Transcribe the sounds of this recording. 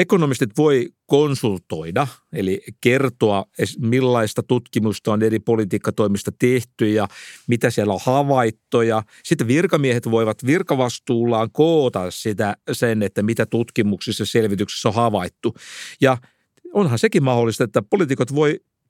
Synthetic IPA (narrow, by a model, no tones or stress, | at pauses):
ekonomist̪it̪ʋoikonsult̪oidɑelikert̪oɑesmilːɑist̪ɑt̪ut̪kimust̪ɑoneripolit̪iːkːɑt̪oimist̪ɑt̪eht̪yjjɑmit̪æsiælːæohɑʋɑit̪ːojɑ | sit̪ːeʋirkɑmiehet̪ʋoiʋɑt̪ʋirkɑʋɑst̪uːlːɑːŋkoːt̪ɑssit̪æsenet̪ːæmit̪æt̪ut̪kimuksisːɑselʋit̪ykse̥sːohɑʋɑit̪ːujɑ | onhɑnsekimmɑholːˑist̪ɑet̪ːæpolit̪ikot̪ʋoi